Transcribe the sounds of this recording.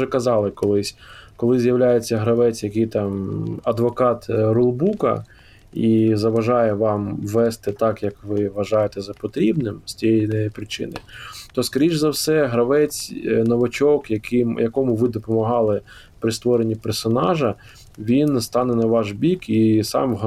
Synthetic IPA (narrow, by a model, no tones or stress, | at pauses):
ɛkɐzɑlˠɪkɔlˠɪsʲkɔlˠɪzʲjɐwlʲajet͡sʲːɐɦɾɐʋɛt͡sʲjɐkɪjt̪ɑmɐd̪ʋɔkɑt̪ɾʊlˠbukɐ̰ | izɐʋɐʒɑjɛʋɑmʋːɛst̪ɪt̪ɑkjɐkʋɪʋɐʒɑjet̪ɛzɐpɔt̪ɾʲibnɪmsʲtʲijɛjnɛpɾɪt͡ʃɪ̰nɪ̰t̪ɔskɐɾʲiʒzɐwsɛɦɾɐʋɛt͡sʲnɔʋɐt͡ʃɔkjɐkɪmjɐkɔmʊʋɪd̪ɔpɔmɐɦɑlˠɪ | pɾɪst̪ʋɔɾenʲːipɛrsɔnɑʒɐ | ʋʲinst̪ɑnɛnɐʋɑʒbʲikisɑ̰mɦ